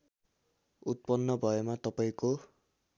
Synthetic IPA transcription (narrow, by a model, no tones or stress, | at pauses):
ut̪̚pʌnːʌbʱʌemat̪ʌpaĩko